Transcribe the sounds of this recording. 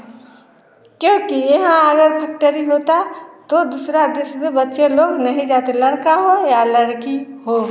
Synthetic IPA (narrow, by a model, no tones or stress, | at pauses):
kjõkijeɦãəɡəɾpʰɛk̚ʈəɾiɦot̪at̪od̪usɾad̪esbebətːʃeloːɡnəɦĩd͡ʒaːt̪eləɽkaɦojaləɽkiɦo